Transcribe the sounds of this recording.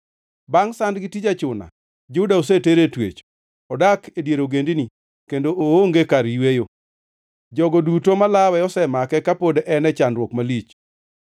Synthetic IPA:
baŋsandɡitid͡ʒat͡ʃʊna̰ | d͡ʒudaoseteɾetwḛt͡ʃ | ɔdakedjeɾoɡendini | kendoʔooŋɡekaɾiwejo | d͡ʒɔɡodutomalawɛɔsɛmakɛkapodʔɛnɛt͡ʃandɾwɔkmalit͡ʃ

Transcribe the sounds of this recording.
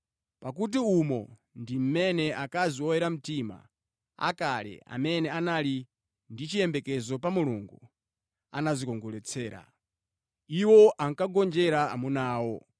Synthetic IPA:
pak̬ut̬iumɔndim̩mɛnɛʔakaziɔjɛɾam̩tima̰ | a̰kalɛ̰a̰mɛnɛanali | ndit͡ʃijɛmbɛkɛzɔp̬amuluŋɡu | a̰nazikɔŋɡɔlɛt͡sʰɛːɾa̰ | iwɔʔaŋkaɡɔnd͡ʒɛɾaa̰munaːwɔ

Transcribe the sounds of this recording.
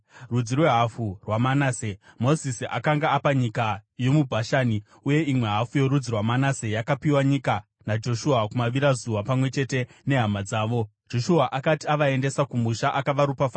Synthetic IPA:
rud͡zirwe̞ɦafurwamanaːsemo̞zisiʔa̰kaŋɡaːpaɲikajo̞mubʱaʃaːni | uje̞imwe̞ɦafujo̞ɾud͡zirwamanase̞jakapiwaɲika | nad͡ʒo̞ʃuakumaʋiɾazuʋapamwe̞t͡ʃe̞te̞ne̞ɦamad͡zaːʋo̞d͡ʒo̞ʃuaʔakatiaʋae̞nde̞sakumuʃaʔakaʋaɾupafaː

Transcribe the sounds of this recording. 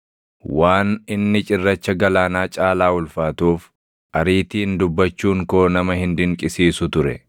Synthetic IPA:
waːnɪnːɪt͡ʃʼɪrːɐt͡ʃːɐɡɐlaːnaːt͡ʃʼaːlaːʊlfaːt̪uːf | ʔɐɾiːt̪iːnd̪ʊbːɐt͡ʃːuːŋkoːnɐmɐhɪnd̪ɪŋkʼɪsiːsʊt̪ʊɾɛ̰

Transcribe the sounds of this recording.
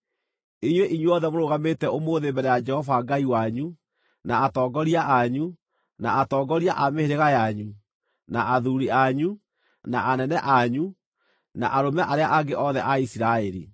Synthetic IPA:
iɲweʔiɲweɔðɛmoɾoɣametɛʔomoðembɛɾɛjad͡ʒɛhɔvaŋɡaiwaɲu | naːtɔːɡɔɾiaʔaɲu | na̰atɔːɡɔɾiaʔameheɾeɣajaɲu | naʔaðuɾiaɲu | naʔanɛnɛʔaɲu | na̰ʔaɾomɛʔaɾeaʔaɡeʔɔðɛʔaisiɾaɛɾḭ

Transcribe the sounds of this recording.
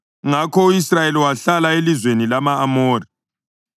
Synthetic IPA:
ŋakʰɔuisrajeliwaɬalaelizwenilamaːmoːri

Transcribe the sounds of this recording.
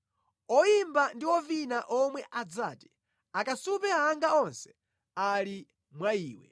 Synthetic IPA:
ɔimbandiɔvinaʔɔmwɛʔad͡zaːti̥ | akasupɛaaŋɡaɔnsɛ̥ | ali | mwaiːwɛ̰

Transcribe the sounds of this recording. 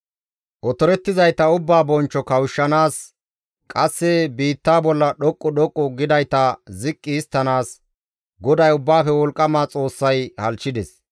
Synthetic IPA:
ʔɔt̪ɔɾɛt̪ːɪzɐjt̪ɐʊbːaːbɔnt͡ʃːɔkɐwʃːɐnaːs | kʼɐsːɛbiːt̪ːaːbɔlːɐɗɔkʼːʊɗɔkʼːʊɡɪd̪ɐjt̪ɐzɪkʼːɪːst̪ːɐnaːs | ɡɔd̪ɐjʊbːaːfɛwɔlkʼːɐmaːt͡sʼo̞ːsːɐjhɐlt͡ʃːɪd̪ɛs

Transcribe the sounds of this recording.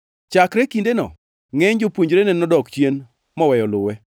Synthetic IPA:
t͡ʃakɾɛkindenɔ̰ | ŋeɲd͡ʒopwoɲd͡ʒɾenɛnɔdɔkt͡ʃjen | mɔwɛjɔlʊwɛ

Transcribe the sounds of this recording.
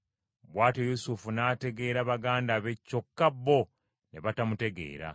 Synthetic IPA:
βwaːtejusufunaːte̞ɡe̞ːɾaβaɡaːndaβe̞cːo̞kːabːo̞ | ne̞βatamute̞ɡe̞̰ːɾa̰

